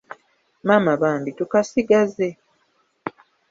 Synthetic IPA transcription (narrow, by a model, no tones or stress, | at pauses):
maːmaβaːmbitukasiɡaze̞